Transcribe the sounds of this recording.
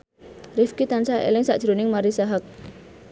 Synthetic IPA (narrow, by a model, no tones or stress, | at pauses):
rɪfkit̪ansaʔḛlɪŋsaʔd̥ʒ̥ɾonɪŋmaɾisaɦak̚